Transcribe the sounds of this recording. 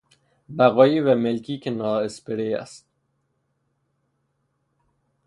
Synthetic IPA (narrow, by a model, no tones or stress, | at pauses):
bæɣɒːjiːvæmɪlkiːkenɒːɪspɪɾeæ̰st̪̚